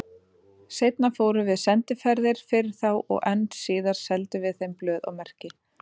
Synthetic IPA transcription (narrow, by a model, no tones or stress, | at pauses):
sejt̪̚nafoːwɾʏvɪðsɛnt̪ɪfɛɾðɪɾ̥fɪɾɪɾ̥θawʔɔ̰ɣɛnt̪siːðaɾ̥sɛlt̪ʏvɪðθejmplœːða̰wmɛr̥cɪ